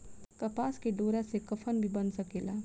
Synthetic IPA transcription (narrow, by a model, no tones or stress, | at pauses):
kɐpaːskeɖoːɾasekɐfʰənbʱibɐnsɐkeːlaː